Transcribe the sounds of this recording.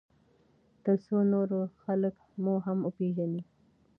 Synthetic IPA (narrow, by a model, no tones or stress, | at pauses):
t̪əɾsonoɾoxalək | muɦamʊpeʒani